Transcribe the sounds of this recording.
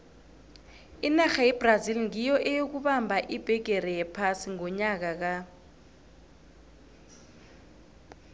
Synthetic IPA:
inaxajɛb̥razilŋijɔʔɛjok̬uɓambʱaʔib̥ʱɛɡʱerɛjɛpʰasiŋɔɲak̬ak̬a

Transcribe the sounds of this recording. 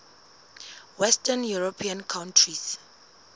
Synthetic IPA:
wɛstənjuɹopʰiãnkʰãwntʰɹis

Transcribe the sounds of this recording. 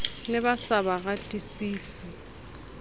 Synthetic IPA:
lɪbasabaɣatʼisiːsi

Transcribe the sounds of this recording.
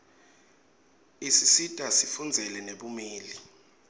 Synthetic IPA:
isisitʼasifund͡zʱɛlɛneɓumiːli

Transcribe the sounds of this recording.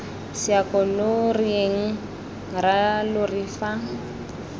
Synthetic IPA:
siakʼɔlʊrieŋ̩ | ɾalʊrifa

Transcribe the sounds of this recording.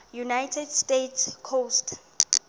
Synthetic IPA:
junajtʰɛdstetskʰost

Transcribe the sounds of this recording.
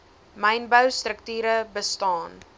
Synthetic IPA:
məjnbəwstrəktyːɾəbəstɑːn

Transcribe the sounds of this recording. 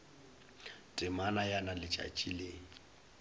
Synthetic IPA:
tʼɪmanajanalɪt͡ʃʼa̰t͡ʃʼileːŋ̩

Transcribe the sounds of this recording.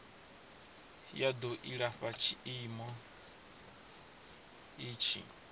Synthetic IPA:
jad̪ɔʔiɺaɸat͡ʃʰiimɔ | iːt͡ʃʰḭ

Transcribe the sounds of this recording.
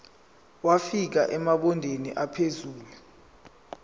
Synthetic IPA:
wafik̬a̰ʔɛmaɓɔndʱenḭʔapʰezuːlu

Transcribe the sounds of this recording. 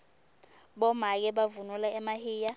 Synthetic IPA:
ɓɔmak̬ɛɓavunulaɛmahiːja

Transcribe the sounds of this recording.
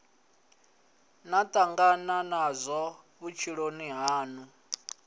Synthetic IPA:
natʼaŋɡananazʷɔ | βut͡ʃʰiɺoniɦaːnu

